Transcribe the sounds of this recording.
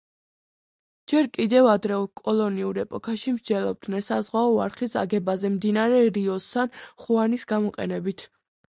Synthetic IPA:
d͡ʒɛɾkʼid̪ɛvad̪ɾɛkʼɔlˠɔniuɾɛpʼɔkʰaʃimɾd͡ʒɛlˠɔb̚d̪nɛnsazʁwaɔaɾχisa̰ɡɛbazɛmd̪inaɾɛɾiɔst̪ːʰanχuanisɡamɔqʼɛ̰nɛbit̪ʰ

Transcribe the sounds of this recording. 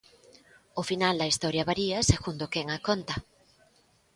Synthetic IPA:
ofinald̪ɐist̪ɔɾjɐβaɾiɐseɣund̪okɛŋakont̪ɐ

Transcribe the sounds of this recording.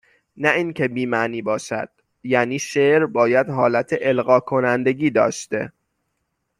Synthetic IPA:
næiːncʰe̞biːmæniːbɒːʃæ̰d̪̥ | jæːniːʃeɾbɒːjæd̪ɦɒːlæt̪ʰeʔelɢɒːkʰo̞nænd̪e̞ɡiːd̪ɒ̰ːʃt̪e̞̰

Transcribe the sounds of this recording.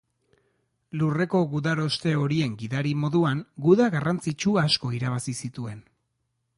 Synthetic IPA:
lure̞ko̞ɣuðaɾo̞st̪e̞o̞ɾie̞ŋɡiðaɾimo̞ðuaŋɡuðaɣarant͡sit͡ʃuasko̞iɾaβasisit̪ue̞n

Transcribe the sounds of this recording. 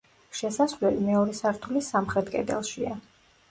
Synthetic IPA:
ʃɛsasvlɛlimɛɔɾɛsaɾt̪ʰulisamχɾɛt̪kʼɛ̰d̪ɛ̰lˠʃia

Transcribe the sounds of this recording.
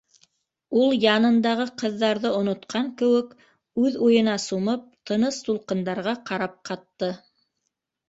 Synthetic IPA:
ulˠjɑnɤ̆nd̪ɑʁɤqɤ̆ðːɑɾðɤŏnŏt̪qʰɑŋkɘ̆wɘk | ʉðujɤ̆nɑsumɤp̚t̪ʰɤ̆nɤst̪ulˠqɤ̆nd̪ɑɾʁɑqɑɾɑp̚qʰɑt̪ːɤ

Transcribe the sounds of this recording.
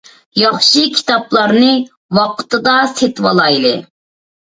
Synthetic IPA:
jɑχʃikʲʰi̥t̪ɑplˠɑɾnɨ | wɑqt̪ɨd̪ɑset̪wɑlˠɑjlˠɨ

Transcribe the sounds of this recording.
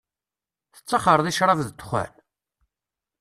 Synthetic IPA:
θə̥t͡sːɑχəɾˤðiʃɾˤɑvðt̪ːχæ̰l

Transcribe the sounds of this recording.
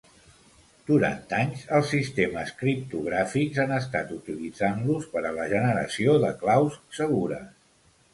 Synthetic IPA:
d̪̥uɾa̰nt̪aɲzəlˠsːist̪eməskɾip̚t̪uɣɾafikzanəst̪at̪ut̪ilid͡zanluspəɾələʒənəɾə̰sioðəklawsːəɣ̞uɾə̰

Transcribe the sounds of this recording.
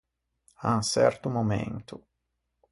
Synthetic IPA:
aŋsɛ̰rt̪umomḛnt̪ʰʊ

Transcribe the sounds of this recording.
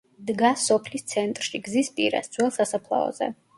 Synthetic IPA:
d̪ɡasːɔpʰlist̪sʰɛnt̪ʼɾʃiɡzispʼiɾa̰sd̪z̥ʰʼwɛlˠsasapʰlˠa̰ɔ̰z̥ɛ̰

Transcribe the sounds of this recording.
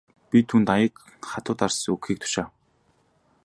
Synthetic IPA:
pʲit̪ʰuːnt̪ajə̆k | χat̪ʊːt̪arsɵkxiːk̚t̪ʰʊ̥ʃaː

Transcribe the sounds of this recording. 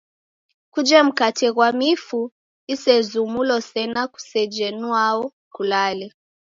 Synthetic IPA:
kud͡ʒɛm̩katʰɛɣwamifu | isɛzumulɔsɛnaku̥sɛd͡ʒɛnuaɔ | kulalɛ

